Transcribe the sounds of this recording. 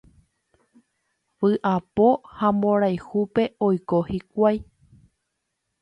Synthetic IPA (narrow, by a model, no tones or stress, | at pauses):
ʋɨʔapo̞hãmbõ̞ɾajhupe̞o̞jkohikʷaj